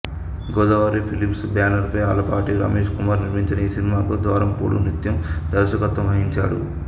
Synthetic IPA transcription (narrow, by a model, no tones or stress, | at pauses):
ɡɔːd̪ɐʋaːɾipʰilimsbjaːnɐɾpɐja̰ːlɐpaːʈiɾa̰ːme̞ːʃkumaːɾniɾmiɲt͡ʃɐnɐiːsinimaːkud̪ʋaːɾɐmpuːɽṵnit̪jɐmd̪ɐɾʃɐkɐt̪ʋɐmɐɦiɲt͡ʃa̰ːɽṵ